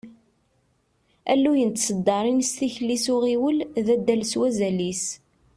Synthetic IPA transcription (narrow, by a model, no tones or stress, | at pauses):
ælːujənt̪səd̪ːɑɾˤinst̪içlisʊʁiwəlðæd̪ːælswæzælis